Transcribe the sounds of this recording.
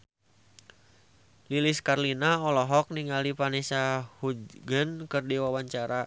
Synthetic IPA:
liliskarlinaɔlɔɦɔk̚niŋalipanɛsahud͡ʒɡənkɨrdiwawaɲt͡ʃaɾa

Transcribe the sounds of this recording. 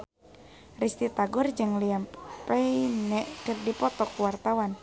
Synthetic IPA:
rist̪it̪aɡʊrd͡ʒɨŋliampɛinɛʔkɨrdipɔt̪ɔkuwart̪awan

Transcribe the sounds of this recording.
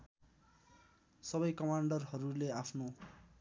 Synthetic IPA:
sʌbʌjkʌmaɳɖʌrɦʌɾuleapʰno

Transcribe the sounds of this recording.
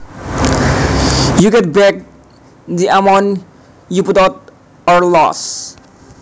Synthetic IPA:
juɡɛt̚bɛk̚ | d̪iʔamɔ̃n | juputat̚ | ɔɾlɔ̰s

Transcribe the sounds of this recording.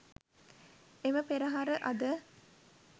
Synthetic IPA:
eməpeɾɐɦaɾəʔɐd̪ə

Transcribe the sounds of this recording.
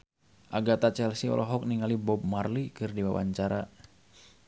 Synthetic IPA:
ʔaɡat̪at͡ʃɛlsiɔ̰lʔɔɦɔk̚niŋalibɔb̚marlikɨrdiwawa̰ɲt͡ʃaɾa

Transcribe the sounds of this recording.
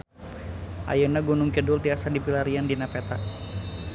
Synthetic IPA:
ʔa̰jənaɡunʊŋkədʊlt̪iasadipilaɾiandinapɛt̪a

